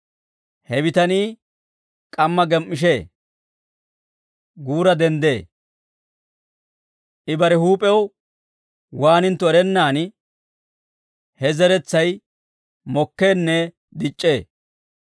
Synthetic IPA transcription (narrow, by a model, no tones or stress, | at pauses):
hɛbɪt̪ɐniː | kʼɐmːɐɡɛmːɪʃ̬eː | ɡuːɾɐd̪ɛnd̪eː | ʔɪbɐɾɛhuːpʼɛw | waːnɪnt̪ːɔɛɾɛnːaːn | hɛzɛɾɛt͡sːɐj | mɔkːe̞ːnːɛ | d̪ɪt͡ʃʼːeː